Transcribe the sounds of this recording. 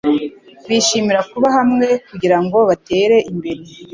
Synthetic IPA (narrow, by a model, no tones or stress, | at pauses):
βiʃimiɾakuβaɦamŋe̞kuɟiɾaŋɡo̞βate̞ɾe̞ʔimbe̞ɾe